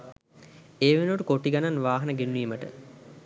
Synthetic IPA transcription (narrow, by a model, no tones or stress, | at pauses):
eːʋenuʈəkoʈiɡananʋaːɦɐnəɡenːiːməʈə̰